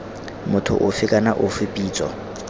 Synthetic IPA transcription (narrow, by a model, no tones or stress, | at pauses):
mʊtʰʊ̰ʔʊfɪkʼanaʔʊfɪpʼiːt͡sʼɔ̰